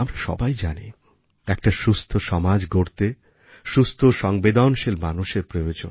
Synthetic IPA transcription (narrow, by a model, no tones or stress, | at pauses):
amɾaʃɔ̰bajd͡ʑani | ɛk̚ʈaʃust̪ʰoʃɔmad͡ʑɡoɾt̪e | ʃust̪ʰoʃɔŋbed̪ʱaonʃelmanuʃeɾpɾojod͡ʑo̰n